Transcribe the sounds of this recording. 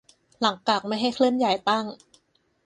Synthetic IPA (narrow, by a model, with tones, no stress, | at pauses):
la˩˦ŋka˨˩k̚ma˥˩jɦa˥˩jkʰlɯ˥˩ənja˨˩jt̪a˥˩ŋ